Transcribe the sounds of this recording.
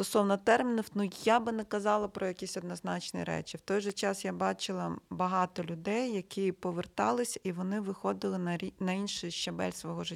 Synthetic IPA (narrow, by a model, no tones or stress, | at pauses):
t̪ɔsɔwnɐt̪ɛrmʲɪnʊfnujabɪnɛkɐzɑlˠɐpɾɔjɐkʲisʲɔd̪nɔznɑt͡ʃniɾɛ̰t͡ʃɪwt̪ɔjʒɛt͡ʃɑsjabɑt͡ʃɪlˠɐbɐɦɑt̪ɔlʲʊd̪ɛjːɐkʰɪpɔʋert̪ɑlˠɪsʲɐiʋɔnɪʋɪxɔd̪ɪlˠɪnɐinɐinʃɪjʃt͡ʃɐbɛ̰lʲsʋɔɦɔʒɪtʲː